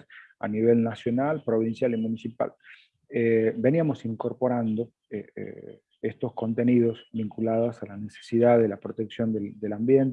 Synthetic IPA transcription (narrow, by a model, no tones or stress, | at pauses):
sa̰niβ̞e̞lnasjo̞nalpɾo̞β̞insjalimunisipa̰l | ebe̞niamo̞siŋko̞ɾpo̞ɾand̪o̞ | ḛ | est̪osko̞nt̪e̞niðo̞sβiŋkulaðosalanese̥siðaðelapɾot̪e̞ksjo̞nd̪eld̪elambjent̪